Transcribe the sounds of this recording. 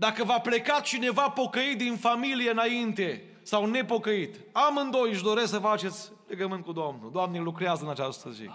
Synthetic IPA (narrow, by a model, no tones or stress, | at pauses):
d̪akəvaple̞kat̪̚t͡ʃine̞vapo̞kəit̪̚d̪infamilijeɨnaint̪e̞ | sawne̞po̞kəit̪ | amɨnd̪o̞jɨʃd̪o̞ɾe̞sksəfat͡ʃe̞t̪sʲ | le̞ɡəmɨnt̪̚kud̪omnṵd̪oamnelukɾeazəɨnat͡ʃast̪əzḭ